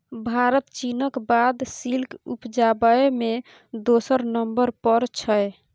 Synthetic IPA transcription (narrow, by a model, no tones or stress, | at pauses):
bʱaɾət̪t͡ʃinəkbad̪silkupd͡ʒabəeme | d̪osəɾnəmbəɾpəɾt͡ʃʰəj